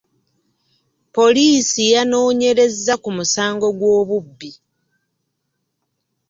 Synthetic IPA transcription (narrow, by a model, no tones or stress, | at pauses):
po̞liːsijano̞ːɲe̞ɾe̞zːakumusaːŋɡo̞ɡwo̞ːβubːi